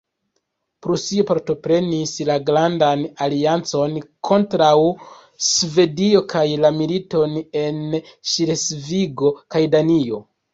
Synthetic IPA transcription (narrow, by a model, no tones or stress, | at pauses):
pɾusio̞paɾto̞pɾe̞nislaɡɾandanaliant͡so̞nkʰo̞ntɾaw | sve̞dio̞kajlamilito̞ne̞nʃiɾesviɡo̞kajdanio̞